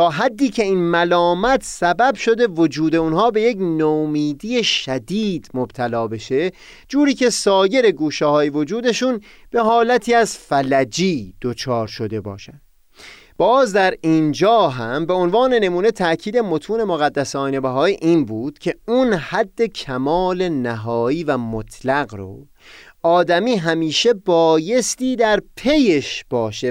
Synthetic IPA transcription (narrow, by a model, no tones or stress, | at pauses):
t̪ʰɒːɦæd̪ːiːcʰe̞iːnmælɒːmæt̪ʰsæbæbʃo̞d̪e̞vod͡ʒuːd̪e̞unɦɒːbe̞je̞cnomiːd̪iːje̞ʃæd̪iːd̪̥mob̥t̪ʰælɒːbe̞ʃe̞ | d͡ʒuːɾiːcʰe̞sɒːje̞ɾe̞ɡuːʃehɒːjevo̞d͡ʒuːd̪e̞ʃũːn | b̥e̞ɦɒːlæt̪ʰiːæzfælæd͡ʒiːd̪̥ot͡ʃʰɒːɾʃo̞d̪e̞bɒ̰ːʃænd̥̪ | b̥ɒːzd̪æɾiːnd͡ʒɒːɦæmbe̞onvɒːne̞ne̞muːne̞t̪ʰæʔcʰiːd̪e̞mo̞t̪ʰuːne̞moɣæd̪ːæsɒːnebæɦɒːiːʔiːnbuːd̪̥cʰe̞unhæd̪ːe̞cʰæmɒːle̞næɦɒːiːvæmot̪ʰlæɣɾo̰ | ɒːd̪æmiːɦæmiːʃe̞bɒːje̞st̪iːd̪æɾpʰe̞jeʃb̥ɒːʃe